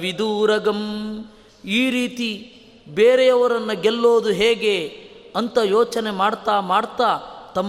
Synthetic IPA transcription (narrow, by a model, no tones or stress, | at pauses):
ʋid̪uːɾɐɡɐm | iːɾiːt̪i | beːɾejɐʋɐɾɐnːɐɡɛlːoːd̪uɦeːɡe̞ɐnt̪ɐjoːt͡ʃɐne̞maːɽt̪aːmaːɽt̪aːt̪ɐmː